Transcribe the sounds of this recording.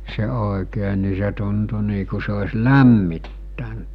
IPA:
se oˑekeː ni se tuntu niː ku se osʲ læmːitːænt

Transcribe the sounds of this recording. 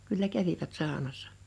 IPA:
kylːæ kæʋiʋæt sɑˑonɑsːɑ̥

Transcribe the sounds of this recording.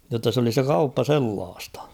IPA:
jotːɑ s oli se kɑupːɑ selːɑːstɑ̥

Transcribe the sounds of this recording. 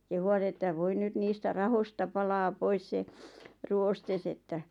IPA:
kehuʋɑt etːæʋ ʋoi nyt niːstæ rɑhostɑ pɑlɑː pois se ruostes etːæ

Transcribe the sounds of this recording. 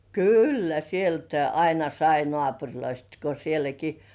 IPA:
kylːæ sieltæi ɑinɑ sɑi nŏɑˑpurʲloist ko sielæki

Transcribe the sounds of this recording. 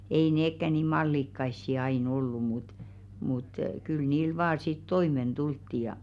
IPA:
ei neːkːæ niˑ mɑlːikːɑisːi ɑin olːu mut mut kyl niːl ʋɑː sit toimen d̥ultːi jɑ

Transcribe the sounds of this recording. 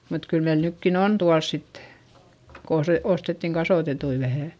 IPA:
mut kyl meil nykːin on tuɑls sitːe̥ ko ose ostetːiŋ kɑsoˑtetui ʋæhæˑ

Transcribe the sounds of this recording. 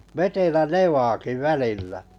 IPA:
ʋetelæ neʋɑːki ʋælilːæ

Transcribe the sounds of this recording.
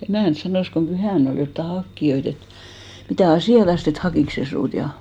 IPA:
emæˑnt sɑnoˑs kom pyhæˑn ol jotːɑ hɑkːij̆oit et mitæˑ ɑsiˑɑtɑst et hɑkiˑks se suːt jɑ

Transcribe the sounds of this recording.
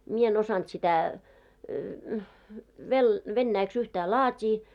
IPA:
mie en osɑnt sitæ ʋel ʋenːæiks yhtæː lɑːtʲiː

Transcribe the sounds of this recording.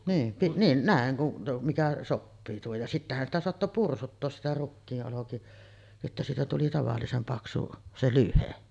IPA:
niːm piʔ niːn næˑeŋ kun mikæ sopːiː tuohoj jɑ sitːæhæn sitæ soɑtːo pursutːoːs sitæ rukːiːʔ ʔoloki etːæ siːtæ tuli tɑʋɑlːisem pɑksu se lyhe

